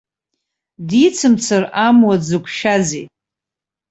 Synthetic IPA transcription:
dit͡sʰɨmt͡sʰɨramwad͡zɨkʷʰʃazḛ

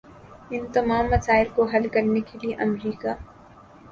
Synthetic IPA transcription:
ɪnt̪ɐmaːmːɐsaːɪlkoɦɐlkɐɾnekelieʔɐmɾiːkaː

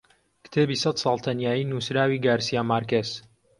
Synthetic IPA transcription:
kt̪ʰeːbiːsɐt̪sɑːlˠt̪ʰɐnjaːjiːnuːsɾaːwiːɡaːɾsijaːmaːɾkez

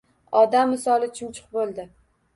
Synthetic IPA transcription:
ɒd̪amːɪsɒlˠɪt͡ʃʰɪmt͡ʃʰʊ̥qbolˠd̪ɪ

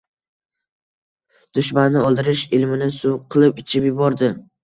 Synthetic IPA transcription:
d̪̥ʊʃmanːɪɒlˠd̪ɪɾɪʃɪlmɪnɪsʊqʰɨlˠɪpɪt͡ʃʰɪpjʊbɒɾd̪ɪ

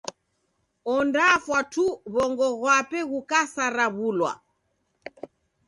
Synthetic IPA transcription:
ɔndafwatuβɔŋɡɔɣwapɛɣukasaɾaβulwa̰

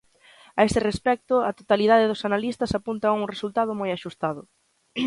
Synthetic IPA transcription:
aest̪ɪrespɛk̚t̪ʊat̪ot̪aliðaðɪðʊsanalist̪ɐsapunt̪ɐuŋresult̪aðʊmojaʃust̪aðʊ

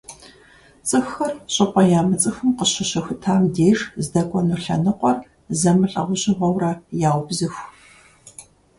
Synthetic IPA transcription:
t͡sʼɨxɐrɕʼɪpʷʼɔjaːmɨt͡sʼɨxɨmqəɕɪɕɐxʷtʰaːmdeːʒzdɐkʷʼɔnuɬɐ̰nɨqʷɔr | zɐmɨɬʼɐ̰ʁʷʊɕʼɪʁʷɔwrɐjaːwbzɨxʷ

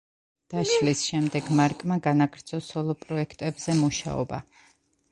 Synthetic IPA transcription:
d̪̥aʃlisʃɛmd̪ɛɡmaɾkʼmaɡanaɡɾt̪sʰɔsɔlˠɔpʼɾɔɛkʰt̪ʼɛbzɛmuʃa̰ɔ̰ba

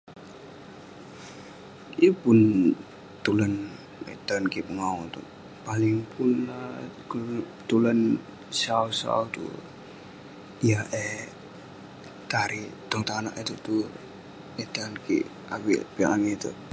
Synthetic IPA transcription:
əpʊn | t̪ulən | ɛ̰t̪ankipəŋaut̪ṵ | palɪŋpunla | t̪ulən | sausa̰ut̪ṵ | ijaʔɛ | t̪aɾit̪ɔŋt̪ana̰ʔit̪ut̪u | ɛt̪ankḭ | akḭpiaʔaŋɛt̪ṵ

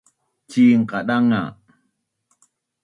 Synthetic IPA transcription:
t͡ʃiŋ̩kaɗaŋːa̰

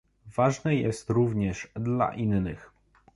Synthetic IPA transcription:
vaʐnɛjɛst̪ɾuvɲɛʂd̪la̰ʔinːɘx

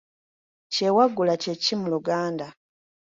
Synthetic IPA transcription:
ce̞waɡːulacecimuluɡaːnda

